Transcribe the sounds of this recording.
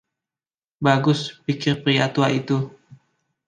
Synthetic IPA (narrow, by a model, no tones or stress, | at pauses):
baɡʊspikɪrpɾiat̪uaʔit̪u